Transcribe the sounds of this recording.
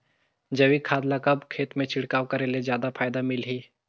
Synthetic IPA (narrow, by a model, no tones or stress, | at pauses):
d͡ʒɐʋikʰaːd̪lakɐbkʰeːt̪mẽt͡ʃʰɪɽkaːwkɐɾeːlezjaːd̪apʰaːjd̪amɪlɦiː